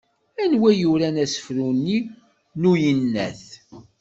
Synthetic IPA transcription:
ænwæjuɾænæsə̥fɾunːi | nujənːæ̰θ

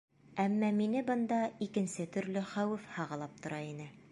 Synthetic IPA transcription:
æmːɑminɘbɤ̆nd̪ɑikɘ̆nsɘt̪ɵ̆ɾlɘχæwɘfhɑʁɑlˠɑp̚t̪ŏɾɑinɘ

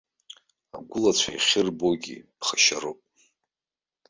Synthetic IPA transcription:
aɡʷʊlat͡sʷʰaiχʲɪrboɡʲḭpχaʃaɾopʼ

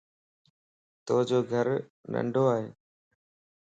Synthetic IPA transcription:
t̪oːɦd͡ʑoːɡʱəɾnə̰̃ɳɖʱoaːɦeː

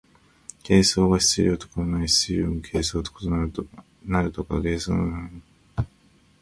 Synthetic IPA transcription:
kʰe̞ːso̞ːɡaɕi̥t͡sɨɾʲiot̪o̥koɾonaiɕt͡siɾomokʰe̞ːso̞ːt̪o̥kot̪ona | naɾɯ̟t̪o̞kaɡe̞ːsoːna̰a

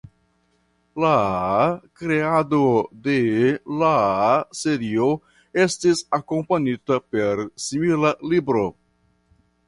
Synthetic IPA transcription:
la | kɾe̞ado̞de̞lase̞ɾio | e̞stisako̞mpaɲitape̞ɾsimilalibɾo̞

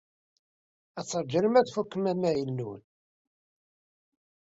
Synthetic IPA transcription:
æt͡sːəɾˤd͡ʒələmæðfukːəmæmæjəlnun

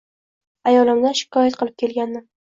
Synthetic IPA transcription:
ajɒlɪmd̪aʃɪ̥kʰɒjat̪̚qʰɨlˠɪp̚kʲe̞lɡʲand̪ɪ

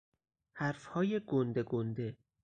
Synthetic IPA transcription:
hæɾfhɒːje̞ɡond̪eɡond̪e̞

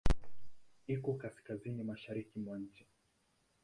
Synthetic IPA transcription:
ikɔkaskazinimaʃaɾikimwaɲ̩t͡ʃɛ

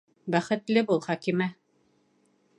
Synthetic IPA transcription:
bæχɘ̆t̪lɘbulˠχɒkimæ

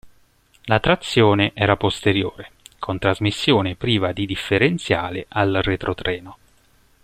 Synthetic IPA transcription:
lat̪ːɾat̪sːjoːneʔɛːɾapost̪eɾjoːɾekʰont̪ɾazmisːjoːnepɾiːvad̪id̪ifːeɾent̪sjaːlḛʔalret̪ɾʔot̪ɾɛːno

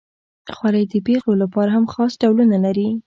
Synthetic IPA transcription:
xwaɾajd̪əpexlolapɑɾaɦamxɑsɖawlunalaɾi

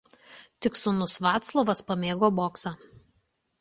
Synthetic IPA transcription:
t̪ʲɪksʊnʊsʋɑːt̪slˠoːʋɐspɐmʲeːɡoːboːksɑ

